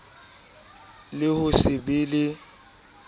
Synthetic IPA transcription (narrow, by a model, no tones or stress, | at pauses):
lɪhʊsɪbɪlɪ